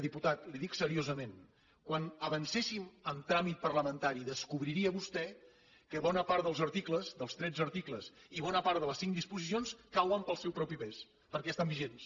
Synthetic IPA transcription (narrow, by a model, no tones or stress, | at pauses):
ðiput̪at̪liðiksəɾiozəmen | kwanəβənsesiməmt̪ɾamit̪̚pərləmənt̪aɾiðəskuβɾiɾiəβust̪ɛ | kəβɔnəpaɾt̪ðəlˠzəɾt̪ikləzd̪əlˠst̪ɾɛd͡zəɾt̪ikləsiβɔnəpaɾt̪ðələsiŋd̪ispuzisionskawəmpəlˠsɛwpɾɔpipɛs | pəɾkɛst̪ambiʒens